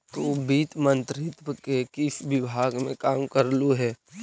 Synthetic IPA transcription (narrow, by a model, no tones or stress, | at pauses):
t̪obiːt̪mə̃nt̪ɾɪt̪ʋəkekɪsʋɪbʱaːɡmẽkaːmkəɾluɦɛː